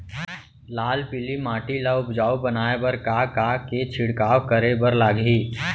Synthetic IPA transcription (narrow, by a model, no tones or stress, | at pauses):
laːlpɪlimaːʈilaʊpd͡ʒaːubɐnaːebɐɾkakaket͡ʃʰɪɽkaːwkɐɾebəɾlaːɡɦiː